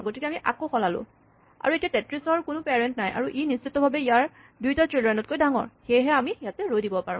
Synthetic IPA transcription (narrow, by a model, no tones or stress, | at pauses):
ɡotikɛamiʔa̰koxɔlalʊ̰̃ | a̰ɹuetijatɛtɹisɔɹkʊnʊpeɹɛntnajʔa̰ɹuʔinissitːɔbʱabɛijaɹ | dujtatɹilɹɛnɔtkojdaŋɔ̰ɹxejɦɛamijatɛɹojdibɔpaɹṵ̃m